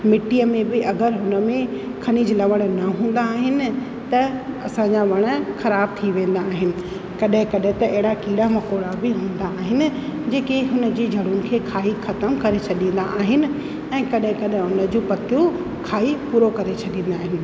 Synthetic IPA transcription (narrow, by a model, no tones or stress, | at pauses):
mɪʈijəmẽbɪɐɡəɾɦʊnə̆mẽ | kʰɐniːd͡ʑlɐʋəɽ̃nɐɦũːn̆d̪aːɦɪnɪ̆ | t̪ɐɐsãːɲd͡ʑaʋɐɽ̃ə̆xɐɾaːb̚t̪ʰiʋẽːn̆d̪aːɦɪnɪ̆ | kɐɗɦɪ̃kɐɗɦɪ̃t̪ɐɐɦɪɽakiːɽamɐkoːɽabɪɦũːnd̪aːɦɪnɪ̆d͡ʑeːkeɦʊnə̆d͡ʑiːd͡ʑʱɐɽʊnɪ̆kʰeːkʰaːixɐt̪əmkɐɾet͡ɕʰɐɗĩːnd̪a̰ʔaːɦɪnɪ̆ | ɛ̃ːkɐɗɦɪ̃kɐɗɦɪ̃ʊnəd͡ʑũːpɐt̪ʰijũ | kʰaːipuːɾokɐɾet͡ɕʰɐɗĩːn̆d̪aːɦɪnɪ̆